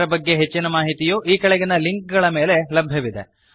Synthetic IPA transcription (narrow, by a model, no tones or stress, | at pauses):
ɾɐbɐɡːe̞ɦet͡ʃːinɐmaːɦit̪ijuʔiːkɐɭɛɡinɐliŋk̚ɡɐɭɐme̞ːle̞lɐbʱjɐʋid̪e̞̰